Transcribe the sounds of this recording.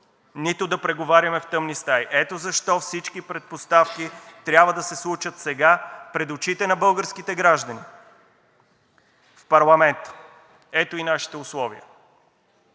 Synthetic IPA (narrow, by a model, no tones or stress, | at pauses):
nit̪ʊd̪ɐpɾɛɡovaɾʲɐmɛft̪ɤmnist̪ajʔɛt̪ozɐʃt̪ɔfsit͡ʃkipɾɛt̪̚post̪afkit̪ɾʲjabvəd̪ɐsɛslˠut͡ʃət̪sɛɡapɾɛd̪ot͡ʃit̪ɛnɐbɤlˠɡəɾskit̪ɛɡɾaʒd̪ɐni | fpɐɾlˠɐmɛnt̪ə̥ | ɛt̪oinaʃi̥t̪ɛʊslˠɔviə̰